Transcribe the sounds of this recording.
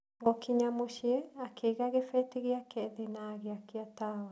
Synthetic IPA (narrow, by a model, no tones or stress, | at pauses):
ŋɡɔkiɲamoʃiɛakʰeɣaɣefɛteɣeakɛðenaɣeakiatawa